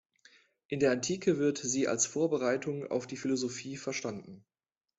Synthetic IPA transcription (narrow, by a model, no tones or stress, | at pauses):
ʔɪndeːɐantʰiːkʰəvɪɐtz̥iːa̰lsfoːɐbəʁaɪtʰʊŋa̰ʊfd̥iːfɪlozofiːfɛɐʃtandn̩